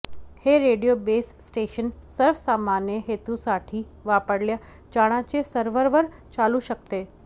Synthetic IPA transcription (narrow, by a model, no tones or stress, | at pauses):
heːɾeːɖijobeːsːʈeːʃənsəɾfsaːmaːnjəɦeːt̪usaːʈʰi | ʋaːpəɽlja | t͡ʃaːɽ̃ãt͡ɕesəɾʋəɾʋəɾ | t͡ɕaːluʃəkt̪eː